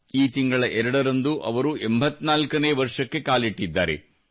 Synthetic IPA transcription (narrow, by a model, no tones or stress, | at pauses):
iːt̪iŋɡɐɭɐʔɛɾɐɽɐɾɐnd̪uʔɐ̰ʋɐɾuʔembʱɐt̪ːnaːlkɐneːʋɐɾʂɐkːe̞kaːliʈːid̪ːaːɾe̞̰